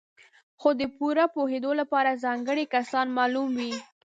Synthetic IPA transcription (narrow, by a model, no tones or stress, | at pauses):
xod̪əpuɾapohed̪olapɑɾazɑŋɡəɽikasɑnmɑlumwi